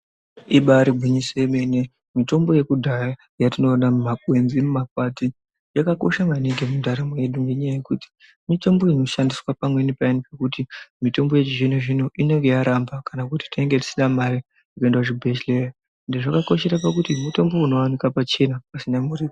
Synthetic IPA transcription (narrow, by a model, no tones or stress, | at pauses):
iɓaɾibʱuɲiseme̞ne | mito̞mbo̞je̞kudʱaja | jatino̞ːnammakwe̞nzimumap̚ati | jakako̞̰ʃamaneŋɡemundaɾamoje̞ɗuŋɡeɲajaje̞kuti̥ | mito̞mbo̞ino̞ʃandiswapamwe̞nipainipekutimito̞mbo̞je̞t͡ʃiʐinoʐino̞ʔine̞ŋɡe̞jaɾambakanakuti̥tieŋɡe̞ti̥sinamaɾi | ikaendwaʐibʱeʃlera | ndeʐakako̞ʃe̞ɾap̬akutimuto̞mbo̞uno̞wanikapat͡ʃe̞napasinamurik